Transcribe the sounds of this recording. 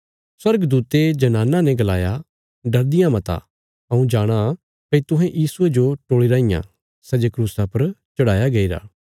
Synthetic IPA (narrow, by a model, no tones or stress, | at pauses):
swɐɾɡd̪uːt̪ed͡ʒɐnaːnanɛɡɐlaːja | ɖɐɾd̪ɪjãmɐt̪a̰ | ɐũd͡ʒaːɽ̃a | pɐit̪ʊɦɛ̃ʔjiːsued͡ʒoʈoːɭiɾaɪjã̰ | sɛːd͡ʒekɾuːsapɐɾt͡ʃɐɽ̤aːjaɡɐiːɾa̰ː